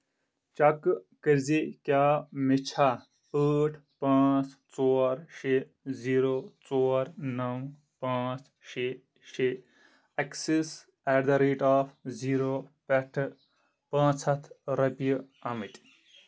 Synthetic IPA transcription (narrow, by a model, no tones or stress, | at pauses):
t͡ʃɐkkəɾzikjaːmit͡ʃʰaː | əːʈʰpãːt͡st͡soːɾʃe | ziːɾoːt͡soːɾnɐw | pãːt͡s | ʃe | ʃe | ɐksis | ɛɖd̪ɐɾeːʈaːfʰziːɾopɛʈʰ | pãːt͡sʰɐt̪ʰɾɐpij | ɐmit̪ʲ